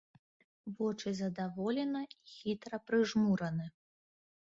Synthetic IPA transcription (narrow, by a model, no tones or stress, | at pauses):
vɔt͡ʂɨzɐd̪avɔlʲɛnɐixʲit̪ɾɐpɾɨʐmuɾɐnɨ